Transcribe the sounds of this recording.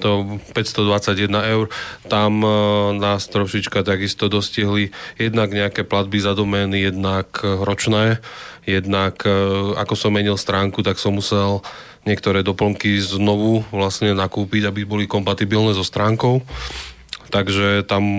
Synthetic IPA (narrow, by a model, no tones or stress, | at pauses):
t̪ɔpɛcst̪ɔd̪ʋat͡saɟjɛd̪naɛʊɾt̪amnaːst̪ɾɔʃit͡ʃkat̪aɡist̪ɔd̪ɔsciɦlijɛd̪naɡɲɛakɛːplad̪̚bizad̪ɔmɛnijɛd̪nakɾɔt͡ʃnɛːjɛd̪naka̰kɔsɔmːɛɲilst̪ɾaːŋkut̪aksɔmːusɛl | ɲɪɛkt̪ɔɾɛːd̪ɔpl̩ŋkiznɔʋuʋlasɲɛnakuːpiɟabibɔlikɔmpat̪ibilnɛːzɔst̪ɾaːŋkɔʊ | t̪aɡʒɛt̪am